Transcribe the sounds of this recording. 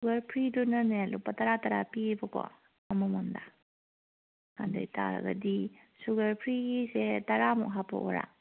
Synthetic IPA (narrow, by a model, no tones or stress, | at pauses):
suɡɐɾpʰɾidunɐnelupːɐtɐɾataɾapibɐkɔ̰ | ɐmumanda | kandɐ̰jta̰ɾɐ̰ɡɐ̰di | suɡɐɾpʰɾiɡisetɐɾamṵʔɦapɐ̰ʔoɾa̰